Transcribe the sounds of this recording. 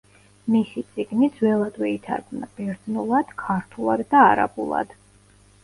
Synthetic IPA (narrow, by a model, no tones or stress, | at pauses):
misit̪sʼiɡnid̪z̥wɛlˠad̪wɛit̪ʰa̰ɾɡʰmnab̥ɛɾd̪znulˠad̪̥kʰaɾt̪ʰulˠad̪ːaːɾa̰bṵlˠa̰d̪̥